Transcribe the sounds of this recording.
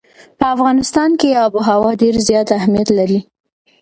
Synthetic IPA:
pəafɣɑnɪst̪ɑnkeɑbuɦawɑɖeɾzjɑt̪ahmjat̪laɾi

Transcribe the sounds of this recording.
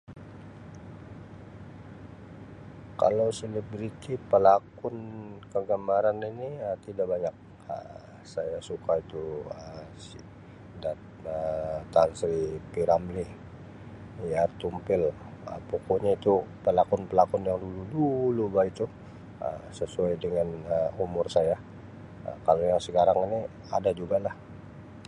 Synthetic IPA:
ka̰lawselibɾit̪ipəlakʊnkəɡəmaɾaniniət̪idaʔbaɲak̚ | ə̰ | sajasukait̪uəs | dat̪ət̪ansɾipiɾamli | jat̪umpɪl | ə̰pokoɲait̪upəlakʊnpəlakʊnjaŋduludulubait̪u | ə̰səsuajdəŋanəumʊrsaja | ə̰kalojaŋsəkaɾaŋini | adad͡ʒuɡalah

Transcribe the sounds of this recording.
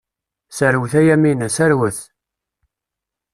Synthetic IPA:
sæɾwθæjæminæsæɾwəθ

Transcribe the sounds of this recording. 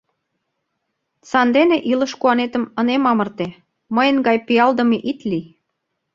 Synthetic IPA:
t͡sɑnd̪eneʔiləʃkuɑnet̪ə̆mə̆nemɑmərt̪e | məjə̆nɡɑjpiɑld̪ə̆meʔit̪li

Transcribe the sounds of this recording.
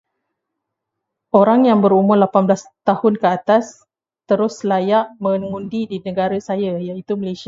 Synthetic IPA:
ʔoɾaŋjaŋbəɾumʊrlapanblast̪ahʊnkəat̪as | t̪əɾʊslajaʔmə̃ŋũndidinə̃ɡaɾasajajait̪uməlesia

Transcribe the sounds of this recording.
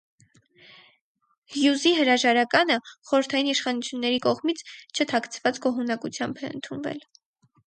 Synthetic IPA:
hjuziɦəɾɑʒɑɾɑkɑnəχɔɾəɾt̪ʰɑjiniʃχɑnut͡sʰjunːɛɾikɔʁmit͡sʰt͡ʃʰət̪ʰɑkʰt͡sʰvɑt͡sɡɔɦunɑkut͡sʰjɑmbɛə̰nt̪ʰunvɛ̰l

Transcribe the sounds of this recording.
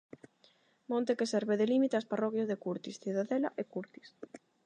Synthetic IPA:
mõnt̪ekesɛɾβeðelimit̪easparɔkjazðekuɾt̪isθiðaðelaʔekuɾt̪i̥s

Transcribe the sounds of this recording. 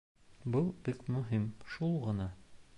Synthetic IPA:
bɤlˠbikmɵ̆ɦimʃulˠʁɤ̆nɑ

